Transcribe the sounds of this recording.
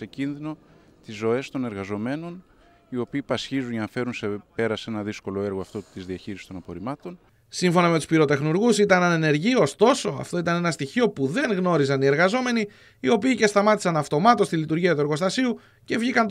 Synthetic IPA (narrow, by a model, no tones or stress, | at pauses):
se̞cinðino̞t̪izːo̞e̞st̪o̞ne̞ɾɣɐzo̞me̞no̞n | io̞piːpɐsçizunʝɐnɐfe̞ɾunsepe̞ɾɐse̞nɐðisko̞loe̞ɾɣoɐft̪o̞t̪izðiɐçiɾisi̥t̪o̞nɐpo̞ɾimɐt̪o̞n | siɱfo̞nɐmet̪uspiɾo̞t̪e̞xnuɾɣusit̪ɐnɐnene̞ɾʝio̞st̪o̞so̞ɐ̰ft̪o̞it̪ɐne̞nɐst̪içio̞puðe̞ŋɣno̞ɾizɐnie̞ɾɣɐzo̞me̞niː | o̞piːce̞st̪ɐmɐt̪isɐnɐft̪o̞mɐt̪o̞st̪ilit̪uɾʝiɐt̪ue̞ɾɣo̞st̪ɐsiu | ce̞vʝikɐn